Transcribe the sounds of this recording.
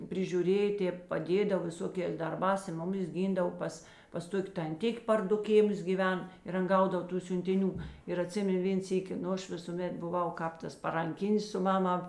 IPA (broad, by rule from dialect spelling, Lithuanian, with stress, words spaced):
pʲrʲɪʒʲuːˈrʲeːjɛ ˈtʲeːp pɐˈdʲeːdɐw ʋʲɪˈsoːkʲeːs dɐrˈbɑːs ɪ ˈmʊˌmʲɪs ˈɡʲɪndɐw ˈpɐs pɐs ˈtoːkʲ tɐnʲˈtʲɪkʲ pɐr ˈdʊ ˈkʲeːˌmʊs ɡʲiːˈʋʲɛn ɪr ˈɐn ˈɡɐʊdɐw ˈtuː sʲʊnʲtʲɪˈnʲuː ɪr ɐˈtʲsʲɪmʲɛn ˈʋʲeːn ˈsʲiːkʲɪ ˈnʊ ˈɐʃ ˈʋʲɪsuːˌmʲɛt bʊˈʋɐʊ ˈkɑːp ˌtɐs pɐrɐŋʲˈkʲɪnʲɪs sʊ ˈmɑːˌmɑː